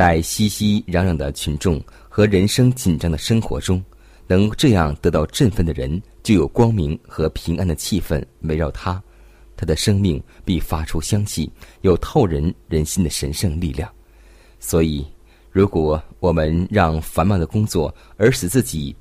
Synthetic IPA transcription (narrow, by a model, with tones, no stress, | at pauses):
t͡sa˥˩ɪɕi˥ɕi˥ɻɑ˧˥ŋɻɑ˨˩ŋd̪ə̰˦t͡ɕʰy˧˥nʈ͡ʂʊ˥˩ŋ | xɤ˧˥ɻə˧˥nʂɤ˥ŋt͡ɕi˨˩nʈ͡ʂɑ˥ŋd̪ə˨˩ʂɤ˥ŋxwɔ̰˧˥ʈ͡ʂʊ˥ŋ | nɤ˧˥ŋʈ͡ʂɤ˥˧jɑ˥˩ŋt̪ɤ˧˥t̪ɑ˥˧ʊʈ͡ʂə˥˧nfə˥˩nd̪ə˩ɻə̰˧˥nt͡ɕjo˥˩ʊjo˨˩ʊkwɑ˥ŋmi˧˥ŋxɤ˧˥pʰi˧˥ŋʔa˥nd̪ə˨t͡ɕʰi˥˧fə̰˥˩nwe˧˥ɪɻɑ˥˩ʊt̪ʰa˥ | t̪ʰa˥d̪ə˨ʂɤ˥ŋmi˥˩ŋpi˥˩fa˥ʈ͡ʂʰu˥ɕjɑ˥ŋɕi˥˩jo˨˩ʊt̪ʰo˥˩ʊɻə˧˥nɻə˧˥nɕi˥nd̪ə˨ʂə˧˥nʂɤ˥˧ŋli˥˧ljɑ̰˥˩ŋ | swɔ˧˥i˨˩ | ɻu˧˥kwɔ˨˩˦wɔ˨˩mə˧˦nɻɑ˥˩ŋfa˧˥nmɑ˨˩ŋd̪ə˩kʊ˥ŋt͡swɔ˥˩ə˞˧˥ʂ̩˨˩t͡sɹ̩˥˩t͡ɕi˨˩˦